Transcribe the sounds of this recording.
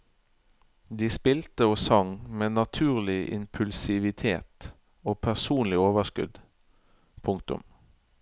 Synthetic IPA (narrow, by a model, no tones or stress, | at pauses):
d̪iːspɪlt̪əoːsɑŋmeːnɑt̪ʰʉːʁlɪʔɪ̰mpʰʉlsɪʋɪt̪ʰeːt̪ | oːpʰæʁsuːnlɪoːʋəʁskʉ̰d̪ | pʰʊŋk̚t̪ʊ̰m